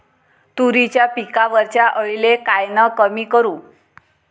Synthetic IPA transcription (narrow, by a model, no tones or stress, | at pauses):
t̪uɾit͡ɕjapikaʋəɾt͡ɕjaʔəɭlekajnəkəmiːkəɾuː